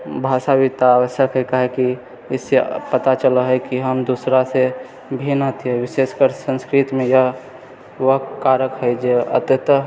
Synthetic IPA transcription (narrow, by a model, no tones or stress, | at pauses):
bʱaːʃabit̪aːʋəʃəkɦɛkəɦɛki | ɪsepət̪at͡ʃələɦɛkiɦəmd̪usɾase | bʱinət̪iɦɛʋɪseskəɾsə̃nskɾit̪mẽjəɦ | ʋəɦkaːɾəkɦəd͡ʒeə̰t̪jət̪